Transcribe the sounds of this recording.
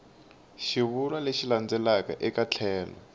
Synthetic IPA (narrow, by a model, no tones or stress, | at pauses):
ʃiβulaleʃiland͡zɛlakaʔɛkat͡ɬʰɛːlɔ̰